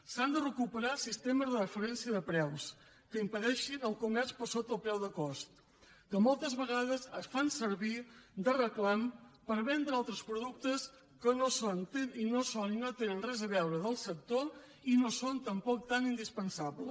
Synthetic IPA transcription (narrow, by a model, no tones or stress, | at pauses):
sand̪ərəkupəɾasist̪eməzðərəfəɾɛnsiəðəpɾɛws | kəimpəðɛʃinəlˠkumɛɾspəɾsot̪əlˠpɾɛwðəkɔst̪ | kəmɔlˠt̪əzβəɣað̞əzəsfansəɾβid̪ərəklampəɾβɛnd̪ɾəalˠt̪ɾəspɾuðuk̚t̪əs | kənosont̪eninosoninot̪enənrɛzəβɛwɾəðəlˠsək̚t̪o | inosont̪əmpɔk̚t̪anind̪ispənsaβlə